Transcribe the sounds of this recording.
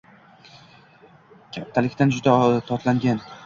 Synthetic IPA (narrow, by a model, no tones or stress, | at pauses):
kʲʰat̪ʰːalɪkʲt̪and͡ʒʊd̪at̪ʰɒt̪laŋɡʲan